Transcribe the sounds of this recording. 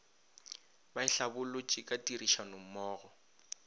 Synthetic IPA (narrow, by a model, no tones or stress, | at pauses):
baɪɬabʊlʊt͡ʃʼikʼatʼiriʃanom̩mɔːɣɔ